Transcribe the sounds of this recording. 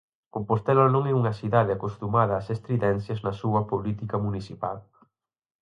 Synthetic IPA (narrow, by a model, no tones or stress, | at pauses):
opost̪ɛlonõŋɛuŋɐsiðaðɪakost̪umaðɐːsest̪ɾiðɛnθjɐznɐsuɐpolit̪ikɐmunisipal